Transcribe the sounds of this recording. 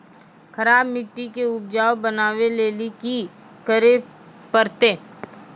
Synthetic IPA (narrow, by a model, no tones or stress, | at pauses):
xɐɾaːbmɪʈːikeʊb̚d͡ʒaːwbənaːʋeleːliki | kəɾe | pəɾt̪eː